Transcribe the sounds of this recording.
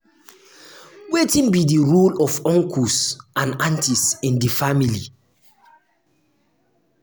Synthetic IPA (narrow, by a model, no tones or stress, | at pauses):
wetĩnbidiɹulɔfɔ̃ŋkʰusãnãntisĩndifamili